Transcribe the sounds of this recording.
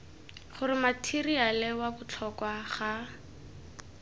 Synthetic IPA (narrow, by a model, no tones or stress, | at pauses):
χʊrɪmatʰirialɛwabʊt͡ɬʰɔkwaχa